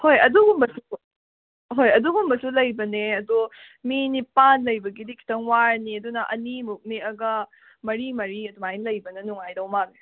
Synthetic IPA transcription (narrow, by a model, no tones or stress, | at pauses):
hojɐduɡumɐsu | ɦojɐduɡumɐsulɐjbɐneɐdu | minipanlɐjbɐɡidikʰi̥tʰɐŋwaɾniɐdunɐʔɐnimuk̚niɐɡɐ | mɐɾimɐɾiɐdumajnlɐjbɐnɐnuŋajdɐwmak̚ne